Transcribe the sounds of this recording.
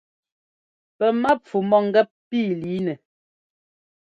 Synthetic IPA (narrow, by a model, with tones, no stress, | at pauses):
pɛ˨ma˦p͡fu˨mɔ˦ŋ˦ɡɛ˦p̚piː˦˨liː˨˦nɛ˨